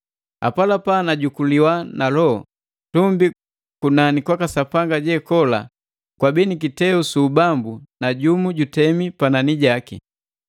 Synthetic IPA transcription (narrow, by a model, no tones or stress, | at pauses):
a̰palapanaɟukuliwanalɔ | tumbi | kunanikwakasapaŋɡaɟɛkɔla̰ | kwabɛnik̬itɛusuːbambunaɟumuɟutɛmipananiɟaki